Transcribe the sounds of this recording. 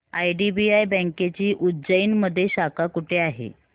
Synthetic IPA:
ajɖibiajbə̃ŋket͡ɕiːʔudd͡ʑəiːnməd̪ʱːjeɕakakuʈʰeaɦḛ

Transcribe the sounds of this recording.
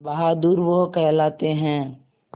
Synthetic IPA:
bɐɦad̪uːɾʋokɛɦlaːt̪eɦɛ̃ː

